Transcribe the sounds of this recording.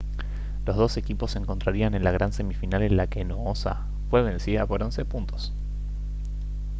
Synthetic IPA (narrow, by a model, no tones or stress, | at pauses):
lo̞zðo̞se̞kipo̞seŋko̞nt̪ɾaɾianenlaɣ̞ɾanse̞mifinalenlakenoosa̰ | fwe̞βe̞nsiðapo̞ɾo̞nse̞punt̪o̞̥s